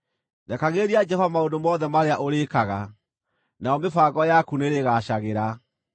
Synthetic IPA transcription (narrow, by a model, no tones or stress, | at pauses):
nakaɣeɾiad͡ʒɛfamaondomɔðɛmaɾeaʔoɾekaɣa | naɔmefaːɣɔjakuneɾeɣaɕaɣeɾa